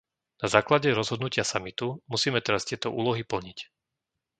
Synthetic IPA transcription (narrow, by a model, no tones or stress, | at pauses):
nazaːklaɟɛɾɔzɦɔd̪nucɪasamit̪umusiːmɛt̪ɛɾast̪ɪɛt̪ɔʔṵːlɔɦipl̩ɲic